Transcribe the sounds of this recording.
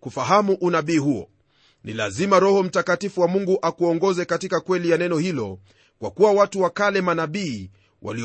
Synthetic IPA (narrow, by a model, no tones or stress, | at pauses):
kufaɦamuʔunaɓiːɦuɔ̰ | nila̰zimaɾɔhɔm̩takatifuwamuŋɡuʔakuɔŋɡɔzɛkatikakwɛlijanɛnɔhilɔ | kwa̰kuwawatuwakalɛmanaɓiː | wʔa̰li